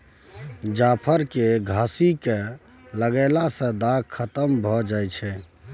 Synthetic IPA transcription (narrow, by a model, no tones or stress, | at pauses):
d͡ʒapʰəɾkeɡʱasike | ləɡəlasə̃d̪aɡ̚kʰːət̪əmbʱɔd͡ʒajt͡ʃʰɛ